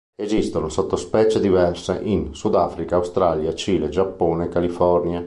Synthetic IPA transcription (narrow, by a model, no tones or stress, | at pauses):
ezist̪onosot̪ːospɛːt͡ʃed̪ivɛrsḛʔinsud̪afɾikaːwst̪ɾaːljat͡ʃiːled͡ʒapːoːneːkːalifɔrnja